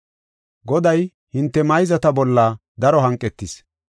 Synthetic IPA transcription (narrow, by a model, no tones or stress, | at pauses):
ɡɔd̪ɐj | hɪnt̪ːɛmɐjzɐt̪ɐbɔlːɐd̪ɐɾɔɦɐŋkʼːɛt̪ːɪs